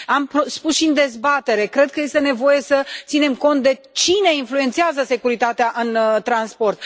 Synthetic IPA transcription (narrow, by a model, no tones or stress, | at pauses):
ampspusʃind̪e̞zbat̪e̞ɾe̞kɾe̞d̪̚kəje̞st̪e̞ne̞vo̞je̞sət̪sine̞mko̞nt̪̚d̪e̞ | t͡ʃine̞influe̞nt̪siazəse̞kuɾit̪at̪eaʔɨnt̪ɾanspo̞rt̪̚